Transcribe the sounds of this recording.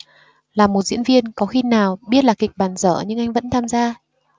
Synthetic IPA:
laː˨˩mːo˨˩t̚zḭ˧˥ənvi˧ənkɔ˨˦xi˧naː˨˩wɓi˦˥ət̚laː˨˩kï˨˩k̟̚ɓaː˨˩nzə̰ː˧˩ɲɨ˧ŋʔa˧jŋ̟və̰˧˥nt̪ʰaː˧mzaː˧

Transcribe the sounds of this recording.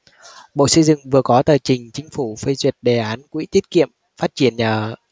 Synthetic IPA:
ɓo̰˧˨sə˧jzɨ̰˧˨ŋvɨ˨˩əkɔ˨˦t̪əː˨˩t͡ɕï˨˩ŋ̟t͡ɕï˨˦ŋ̟fu˧˩fə˧jzwi˨˩ət̚ɗe˨˩ʔaː˨˦nkwʔḭ˧˥t̪i˦˥ət̚kḭ˧˨əm | faː˦˥t̚t͡ɕi˧˩ənɲaː˨˩

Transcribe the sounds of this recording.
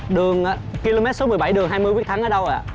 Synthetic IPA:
ɗɨ˨˩əŋʔaː˨˧˥ki˧lo˧mɛ˦˥t̚so˨˦m˨˩jɓa˧˩jɗɨ˨˩ŋɦaː˧jmɨ˧jkwk̚t̪ʰa˨˦ŋʔəː˨˦ɗə˧wʔa̰ː˧˨ʔ

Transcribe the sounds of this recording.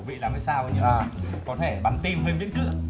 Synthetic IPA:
w̚vḭ˧˨laː˨˩mə˨˧˩saː˧wʔə˨˦ɲɨ˧a˨˩kɔ˨˦t̪ʰe˧˩ɓa˨˦nt̪i˧mɦe˧nɓḭ˧˥ŋt͡ɕɨ̰˧˥ə

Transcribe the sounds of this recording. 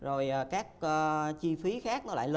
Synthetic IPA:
zo˨˩jʔaː˨˩kaː˦˥k̚əː˨˧t͡ɕi˧fi˨˦xaː˦˥k̚nɔ˨˦la̰ː˧˨lə˧

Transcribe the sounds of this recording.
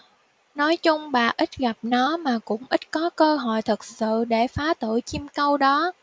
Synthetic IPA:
nɔ˨˦jt͡ɕʊ˧ŋ͡mɓa̰ː˨˩ʔi˦˥t̟̚ɣa˨˩p̚nɔ˨˦maː˨˩kʊ̰˧˥ŋ͡mʔi˦˥t̟̚kɔ˨˦kəː˧ɦɔ̰˧˨jt̪ʰɨ˨˩k̚sɨ̰˧˨ɗe˧˩faː˨˦t̪ɨ̰˧˩˨jt͡ɕi˧mkə˧wɗɔ˨˦

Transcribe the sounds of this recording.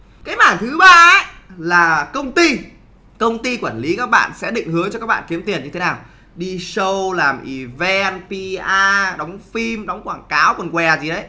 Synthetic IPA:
kaː˨˦jmaː˧˩nt̪ʰɨ˨˦ɓaː˧ə˦laː˨˩kə˧wŋ͡mt̪i˧ | kə˧wŋ͡mt̪i˧kwaː˧˩nli˨˦kaː˦˥k̚ɓa̰ː˧˨nsɛ̰˧˥ɗḭ̈˧˨ŋ̟hɨ˨˦əŋt͡ɕɔ˧kaː˦˥k̚ɓa̰ː˧˨ki˨˦əmt̪i˨˩ənɲɨ˧t̪ʰe˨˦naː˨˩w | ɗi˧sə˧wlaː˨˩mʔi˧˩vɛ˧npi˧ʔaː˧ɗɔ˨˦wŋ͡mfi˧mɗɔ˨˦wŋ͡mkwaː˧˩ŋkaː˨˦wkɔ˨˩nkwɛ˨˩zi˨˩ɗə˨˦j

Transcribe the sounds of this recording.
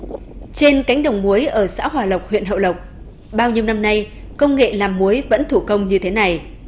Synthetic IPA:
t͡ɕe˧nka˨˦jŋ̟ɗə˨˩wŋ͡mmu˨˦əjʔəː˧˩sa̰ː˧˥ɦwaː˨˩lə˨˩wk͡p̚hwḭ˧˨ənhɦə̰˧˨wlə˨˩wk͡p̚ | ɓaː˧wɲi˧əwna˧mna˧j | kə˧wŋ͡mŋḛ˧˨laː˨˩mːu˨˦əjvə̰˧˥nt̪ʰu˧˩kə˧wŋ͡mɲɨ˧t̪ʰe˨˦na˨˩j

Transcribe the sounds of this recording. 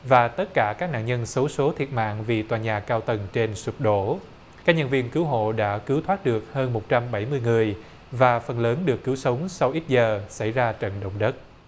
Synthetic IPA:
vaː˨˩t̪ə˦˥t̚kaː˧˩kaː˦˥k̚na̰ː˧˨ɲə˧nsə˨˦wso˨˦t̪ʰi˨˩ət̚ma̰ː˧˨ŋvi˨˩t̪waː˨˩ɲaː˨˩kːaː˧wt̪ə˨˩nt͡ɕe˧nsu˨˩t̚ɗo˧˩˥ | kaː˦˥k̚ɲə˧˩nvḭ˧ənkɨ˨˦wɦo̰˧˨ɗa̰ː˧˥kɨ˨˦wt̪ʰwaː˦˥t̚ɗɨ˨˩ək̚həː˧nmo˨˩t̚t͡ɕa˧mɓa˧˩jmɨ˧əjŋɨ˨˩əj | vaː˨˩fə˨˩nləː˨˦nɗɨ˨˩əkːɨ˨˦wsə˨˦wŋ͡msa˧wʔi˦˥t̚zəː˨˩sa˧˩jzaː˧t͡ɕə̰˧˨nɗə̰˧˨wŋ͡mɗə˦˥t̚

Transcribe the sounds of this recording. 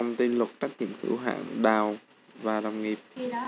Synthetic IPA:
wŋ͡mt̪i˧nlə˨˩t̚t͡ɕa˦˥k̚ɲḭ˧˩əmhɨ̰˧˥wɦa̰ː˧˨ŋɗaː˨˩w | vaː˨˩ɗa˨˩wŋi˨˩p̚

